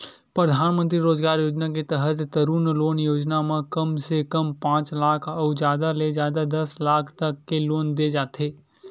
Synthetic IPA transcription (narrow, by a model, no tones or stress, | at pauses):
pɾəd̪ʱaːnmə̃nt̪ɾiɾoːd͡ʒɡaːɾjoːd͡ʒnaket̪əɦət̪ːəɾuːnloːnjoːd͡ʒnamãkəmsekəmpãːt͡ʃlaːkʰɔːd͡ʒjaːd̪aled͡ʒjaːd̪ad̪ɐslaːkʰt̪əkːeloːnd̪ed͡ʒaːt̪eː